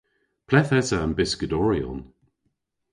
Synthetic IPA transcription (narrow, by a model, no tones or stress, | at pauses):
pʰlɛθɛsanbɪskədɔɹiɔ̰n